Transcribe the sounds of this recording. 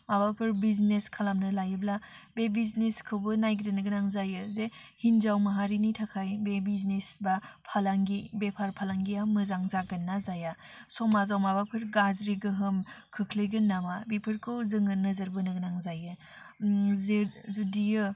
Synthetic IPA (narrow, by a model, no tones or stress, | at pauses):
mabapʰɯɾbizneskʰalamnɯlajɯblabebizneskʰɯwbɯnajɡɾenɯɡɯnaŋzajɯzehinzawmaɦaɾinitʰakʰajbebiznesbapʰalaŋɡibepʰaɾpʰalaŋɡiamɯzaŋzaɡɯnːazaja | sɔmazawmabapʰɯɾɡazɾiɡɯɦɯmkʰɯkʰlɯɡɯnːamabipʰɯɾkʰɯwzɯŋɯnɯzɐɾbɯnɯɡnaŋzajɯ | zezudijɯ